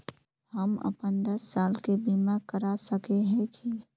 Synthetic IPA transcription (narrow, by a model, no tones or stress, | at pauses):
həmə̰pənd̪əsːaːlkebimakəɾasəkeɦɛ̃ki